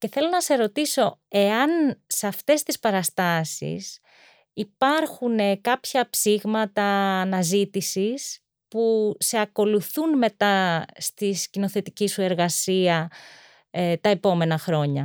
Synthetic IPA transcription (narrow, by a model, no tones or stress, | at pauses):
ce̞θe̞lo̞nɐse̞ɾo̞t̪iso̞e̞ɐnseɐft̪e̞st̪ispɐɾɐst̪ɐsḭs | ipɐɾxunekɐpçɐpsiɣmɐt̪ɐːnɐzit̪isis | puse̞ɐko̞luθunme̞t̪ɐst̪iscinoθe̞t̪icisue̞ɾɣɐsiɐ | t̪ɐepo̞me̞nɐxɾo̞ɲɐ